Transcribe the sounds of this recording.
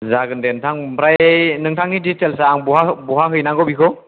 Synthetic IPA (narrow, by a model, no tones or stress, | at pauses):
zaɡɯndentʰaŋpɾajnɯŋtʰaŋiditelsaŋbɔɦabɔɦaɦɯjnaɡɔbikʰɔ